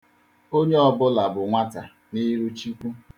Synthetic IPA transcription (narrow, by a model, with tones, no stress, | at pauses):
o˦ɲe˦ɔ˨bʊ˦la˨bʊ˨ŋʷa˦ta˨ | ni˦ɾu˦t͡ʃi˦kʷu˦